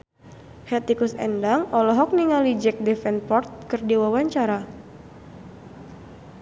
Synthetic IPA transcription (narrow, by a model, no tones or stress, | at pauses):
hɛt̪ikusɛ̰ndaŋɔlɔɦɔk̚niŋalid͡ʒɛk̚dɛfɛnpɔrt̪̚kɨrdiwawaɲt͡ʃaɾa